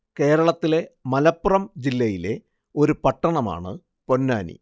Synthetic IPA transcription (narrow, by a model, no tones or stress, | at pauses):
ke̞ːɾɐɭɐt̪ːile̞mɐlɐpːurɐmd͡ʑilːɐjile̞ | o̞ɾupɐʈːɐɳɐma̰ːɳɨ̰ | po̞nːaːnḭ